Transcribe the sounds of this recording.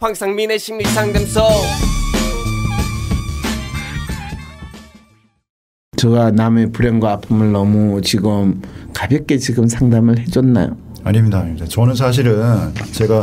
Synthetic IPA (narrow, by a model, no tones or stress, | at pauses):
ɸʰaŋsʰaŋmineɕʰimnisʰaŋdamsʰʌ | t͡ɕʌɡaname̞puɾeŋɡwaːpʰɯmɯɭnʌmut͡ɕiɡɯmkabjʌk̚k͈e̞t͡ɕiɡɯmsʰaŋdamɯɭɦe̞d͡ʑʌnːa̰jo̰ | aɲimɲidaːɲimidat͡ɕʌnɯns̬ʰaɕ̬ʰiɾɯnt͡ɕe̞ɡa